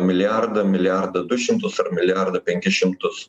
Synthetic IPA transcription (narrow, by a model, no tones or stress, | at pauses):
mʲɪlʲɪjaɾd̪ɐmʲɪlʲjæɾd̪ɐd̪ʊʃʲɪmt̪ʊsɐɾmʲɪlʲɪjɐɾd̪ɐpʲɛŋʲkʲɪʃʲɪmt̪ʊs